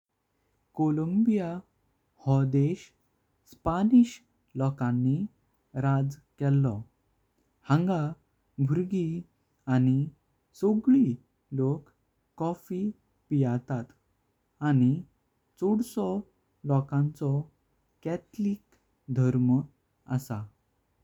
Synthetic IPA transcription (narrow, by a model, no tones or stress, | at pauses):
koləmbija | hɔd̪eɕ | spaniɕ | lɔkãnːi | ɾad͡zkɛlːɔ | hãŋɡa | bʱuɾɡi | añi | soɡɭi | lokː | ɔfi | pijat̪at̪ | añi | t͡soɽsɔ | lɔkãnt͡sɔ | kɛt̪lik | d̪ʱəɾm | ə̰sa